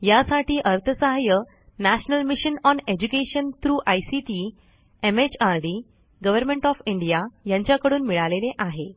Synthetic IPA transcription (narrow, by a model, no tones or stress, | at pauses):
jasaʈiːʔəɾt̪ʰəsaɦjə | næɕnəlmiɕənɔned͡ʑukeɕənt̪ɾuːʔajsiʈi | emet͡ɕaɾɖi | ɡəʋəɾmẽɳʈɔfiɳɖijajãɲt͡ɕjakəɽuːnmiɭaleleʔaɦe